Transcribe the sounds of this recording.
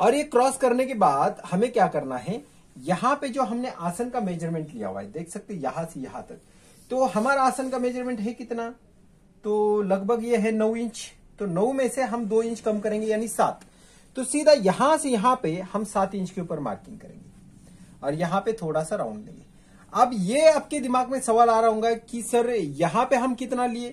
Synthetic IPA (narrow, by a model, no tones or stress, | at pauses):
ɔːɾjekɾɔːskɐɾnekebaːd̪hɐmẽkjaːkɐɾnaɦɛ | jɐɦãped͡ʒoːɦɐmneʔaːsənkameːd͡ʒəɾmẽːɳʈlija̰ɦo̰a̰ːɛd̪eːkʰsɐk̚t̪eɦɛjɐɦãsejɐɦãt̪ɐk̚ | t̪oɦɐmaːɾaːsənkameːd͡ʒəɾmẽːɳʈɦɛkɪt̪na | t̪oːlɐɡbʱəɡjeɦɛnɐwɪ̃ɲt͡ʃ | t̪onɐũmẽseɦɐmd̪oːɪ̃nt͡ʃkɐmkɐɾẽːŋɡejaːnisaːt̪ː | osiːd̪ʱajɐɦãsejɐɦãpehɐmsaːt̪ɪ̃nt͡ʃkeuːpəɾma̰ːɾkɪ̃ŋɡkɐɾḛ̃ːŋɡe | ɔːɾjɐɦãpet̪ʰoːɽasaɾã̰ʊ̃ɳɖlḛ̃ːŋɡe | ɐbjeɐp̚ked̪ɪmaːɡmẽsɐʋaːlaːɾaɦõːŋ̆ɡakisɐɾjɐɦãpeɦɐmkɪt̪nalieː